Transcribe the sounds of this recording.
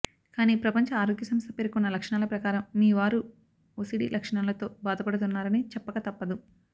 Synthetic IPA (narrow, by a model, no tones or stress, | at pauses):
kaːniːpɾɐpɐɲt͡ʃɐaːɾo̞ːɡjɐsɐmst̪ʰɐpeɾkunːɐlɐkʂɐɳaːlɐpɾɐkaːɾɐmːiːʋaːɾu | osiɽḭlʔɐkʂɐɳaːlɐt̪o̞ːbaːd̪ʱɐpɐɽut̪unːaːɾɐnit͡ʃɛpːɐkat̪ɐpːɐd̪u